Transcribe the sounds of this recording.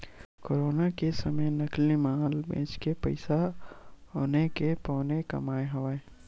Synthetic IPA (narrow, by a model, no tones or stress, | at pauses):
koːɾoːnakesəməjnəklimaːlbḛ̃ːt͡ʃkepɐɪsaɦoːnekepɔːnekɐ̰maːeɦɐʋae